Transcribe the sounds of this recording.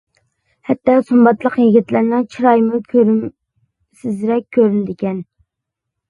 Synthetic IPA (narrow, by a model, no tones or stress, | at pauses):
hɛt̪ːɑsumbɑt̪lˠəqjiɡʲit̪læɾnɪŋt͡ʃʰiɾɑjmʊkʲʰøɾ | sɪzɾɛkʲʰːøɾynd̪ɪkʲɛn